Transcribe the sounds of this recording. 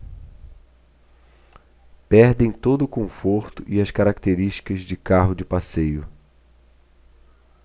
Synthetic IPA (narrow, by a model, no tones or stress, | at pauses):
pɛɾd̪ẽj̃t̪od̪ʊkõfoɾt̪ʊʔiɐskaɾakt̪eɾiʃt͡ʃi̥kɐzd͡ʒɪkaɦʊd͡ʒɪpasejʊ